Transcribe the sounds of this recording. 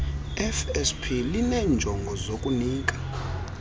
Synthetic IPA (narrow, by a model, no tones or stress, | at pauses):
ɛfɛspʰilinɛnd͡ʒʱɔŋɡʱɔzokʼuniːk̬ʼḁ